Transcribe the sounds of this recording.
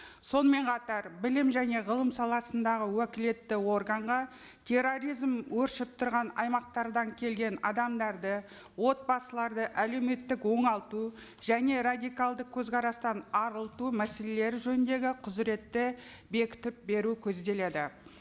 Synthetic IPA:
so̞nəme̞ɴqʰɑt̪ɑɾbɪlɪmʒæne̞ʁəlˠəmsɑlˠɑsənd̪ɑʁəwɵkʲɪle̞t̪ːɪwo̞rɡəɴʁɑ | t̪ʲʰe̞rːo̞ɾijzmwɵɾʃɪp̚t̪ʰʊɾʁɑnɑjmɑq̚t̪ɑɾd̪ɑŋkʲʰe̞lɡʲe̞nɑd̪ɑmd̪ɑɾd̪ə | wo̞t̪̚bɑsəlˠɑɾd̪əʔæle̞wme̞t̪ːɪkwo̞ɴɑlˠt̪u | ʒ̥æne̞ɾad̪ʲijkɑlˠd̪əkʲʰɵzqʰɑɾɑst̪ɑnɑɾəlˠt̪umæse̞le̞le̞ɾɪʒɵnɪnd̪e̞ɡʲɪqʰʊzɾe̞t̪ːɪbe̞kʲɪ̥t̪ɪp̚be̞ɾukʲʰɵzd̪e̞le̞d̪ɪ

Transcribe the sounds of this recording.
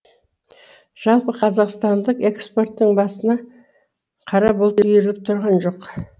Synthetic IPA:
ʒ̥ɑlˠpəqʰɑzɑqst̪ɑnd̪əqe̞kspo̞rt̪ːəɴbɑsənɑ | qʰɑɾɑbolˠt̪jeɾlɪp̚t̪ʰʊɾʁɑnʒo̞q

